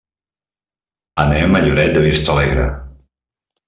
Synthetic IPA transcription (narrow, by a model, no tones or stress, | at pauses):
ənɛmaʎuɾɛt̪̚d̪əβist̪əlɛɣɾə̰